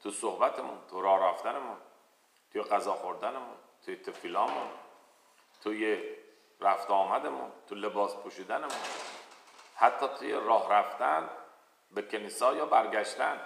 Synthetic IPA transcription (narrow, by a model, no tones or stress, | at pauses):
t̪ʰusohbæt̪ʰemunt̪ʰuɾɒːhɾæft̪ænemun | t̪ʰujeɢæzɒːxo̞ɾd̪ænemunt̪ʰujet̪ʰefiːlɒːmun | t̪ʰuje | ɾæft̪ɒːmæd̪emṵnt̪ʰule̞bɒːspʰuʃiːd̪ænemun | hæt̪ʰːɒːt̪ʰujḛɾɒːhɾæft̪æn | bekʰeniːsɒːjɒːbæɾɡæʃt̪æn